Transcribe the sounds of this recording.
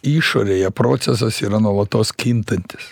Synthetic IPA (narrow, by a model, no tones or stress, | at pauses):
iːʃoːɾʲeːjɛpɾoːt̪sʲɛsɐsiːɾɐnuɔlˠɐt̪oːskʲint̪ɐnʲt̪ʲɪ̥s